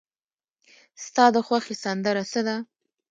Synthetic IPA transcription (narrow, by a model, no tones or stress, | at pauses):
st̪ɑd̪əxwaxesand̪əɾasəd̪a